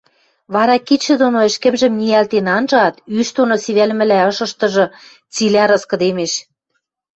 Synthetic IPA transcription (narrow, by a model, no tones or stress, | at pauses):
βɑɾɑkit̪ʃɘ̆d̪onoɘ̆ʃkɘ̆mʒɘ̆mniælt̪enɑnʒɤ̆ɑt̪yʃt̪onosiβælmɘ̆læɤ̆ʃɤ̆ʃt̪ɤ̆ʒɤ̆ | t͡silʲæɾɤ̆skɤ̆d̪emeʃ